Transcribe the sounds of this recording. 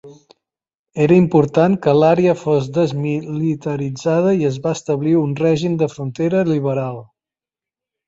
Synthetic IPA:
eɾəimpuɾt̪aŋkəlaɾeəfozd̪əzmilit̪əɾid͡zað̞əiəzβaəst̪əβliunrɛʒimd̪əfɾunt̪eɾəliβ̞əɾalˠ

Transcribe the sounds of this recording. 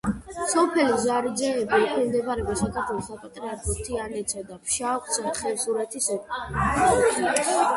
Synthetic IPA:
sɔpʰɛlizaɾd͡ʒɛːbiːqʼɔmd̪ɛbaɾɛɔsakʰaɾt̪ʰwɛlˠɔsːapʼat̪ʼɾiaɾkʰɔt̪ʰianɛt̪sʰad̪apʰʃaɔk̪ʰʼsaχɛlsuɾat̪ʰis

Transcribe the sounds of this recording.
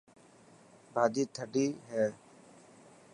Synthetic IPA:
bʱaːd͡ʒ̪iːt̪ʰəɖiːɦɛː

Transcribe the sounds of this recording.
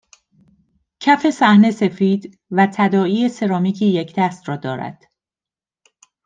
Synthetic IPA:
cʰæfe̞sæhne̞se̞fiːd̪ | væt̪ʰæd̪ɒːiːe̞se̞ɾɒːmiːcʰiːjecʰd̪̥æst̪ɾɒːd̪ɒːɾæ̰d̪̥

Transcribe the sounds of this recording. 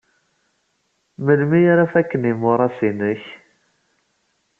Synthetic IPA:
məlmijaɾafækːənimʊɾˤɑsinəç

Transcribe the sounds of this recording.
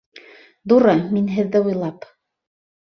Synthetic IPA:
ðuɾɤminɦɘ̆ðːɘujlˠɑp

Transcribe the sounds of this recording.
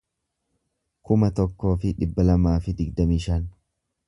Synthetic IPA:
kʊmɐt̪ɔkːo̞ːfɪᶑɪbːɐlɐmaːfɪd̪ɪɡd̪ɐmiːʃɐːn

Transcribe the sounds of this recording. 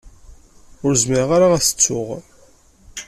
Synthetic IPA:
ʊɾzməɾʁaɾaæsə̥t͡sːʊʁ

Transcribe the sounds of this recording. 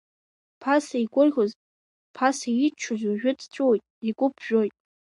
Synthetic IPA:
pʰasaiɡʷʊrʁʲoz | pʰasait͡ʃʰʊzuʒᶣʊtʰt͡ʃʷʼuwojtʼiɡʷʼʊpʰʒ̥ᶣojtʼ

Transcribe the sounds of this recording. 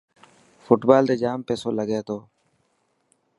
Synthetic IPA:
fʊʈbaːld̪eːd͡ʒaːmpeːsoːləɡeːt̪oː

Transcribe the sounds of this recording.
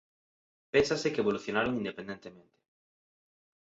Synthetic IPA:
pensasekeːβoluθjonaɾoŋind̪epẽnd̪ent̪emẽnt̪e̥

